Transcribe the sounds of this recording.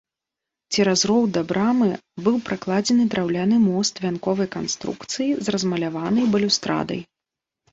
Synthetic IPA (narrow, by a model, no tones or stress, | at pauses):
t͡sʲiɾazɾɔwd̪ɐbɾamɨbɨwpɾaklˠad͡zʲɛnɨd̪ɾawlʲanɨmɔst̪vʲankɔvɐjkanst̪ɾṵkt̪sɨjizrɐzmɐlʲavanɐjbɐlʲuwst̪ɾa̰d̪ɐ̰j